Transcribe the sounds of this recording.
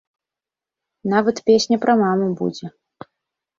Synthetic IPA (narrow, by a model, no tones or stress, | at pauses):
navɐt̪pʲesʲnʲɐpɾɐmamubṵd͡zʲɛ